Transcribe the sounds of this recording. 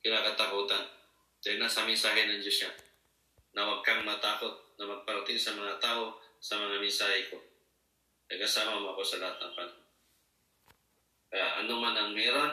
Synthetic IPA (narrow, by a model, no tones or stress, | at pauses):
kɪlakɐt̪akuːt̪an | tɛnasɐmɪnsaːɦɛnɐŋd͡ʒosja | nɐwaɡ̚kaŋmɐt̪aːkot̪̚nɐmɐɡ̚paɾt̪ɪŋsɐmɐŋat̪aːʔosɐmɐŋamɪnsaːhɛko | t̪ɐɡkɐsaːmamoɐko̞sɐlaat̪a̰ŋpana | kɐja̰ʔɐ̰nomanɐŋmɛɾon